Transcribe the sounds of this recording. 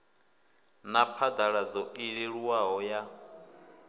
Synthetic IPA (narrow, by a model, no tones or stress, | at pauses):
napʰad̪aɺad͡zɔʔiɺiɺuwaɦɔja